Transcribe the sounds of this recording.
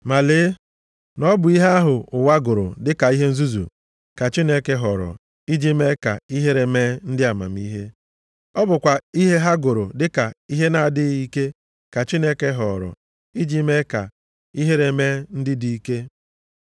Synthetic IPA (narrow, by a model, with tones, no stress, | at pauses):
ma˨lɪ˨˦ | nɔ˦bʊ˨i˦ɦa˦ɦʊ˨ʊ˨wa˦ɡʊ˨ɾʊ̰˨dɪ˦ka˨i˦ɦe˦n̩˦zu˦zṵ˨ | ka˨t͡ʃi˦ne˦ke˦ɦɔ˨ɾɔ̰˨ | i˦d͡ʒi˦me˦ka˨i˦ɦe˦ɾe˨me˦n̩˦dɪ˦a˨ma̰˨m̩˦i˦ɦe˦ | ɔ˦bʊ˨kʷa˨i˦ɦe˦ɦa˦ɡʊ˨ɾʊ˨dɪ˦ka˨i˦ɦe˦na˨dɪ˦ɣi˦ke˦ | ka˨t͡ʃi˦ne˦ke˦ɦɔ˨ɾɔ̰˨ | i˦d͡ʒi˦me˦ka̰˨ | i˦ɦe˦ɾe˨me˦n̩˦dɪ˦di˨˦ke˦